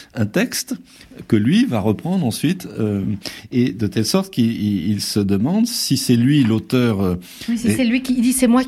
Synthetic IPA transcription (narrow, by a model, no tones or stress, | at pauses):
ɛ̃t̪ɛkst̪kəlɥivaʁəpχɑ̃d̪ʁɑ̃sɥit̪øed̪ət̪ɛlsɔʁt̪kiilsəd̪əmɑ̃d̪sisɛlɥilot̪œʁø | siɛlɥikid̪isɛmwa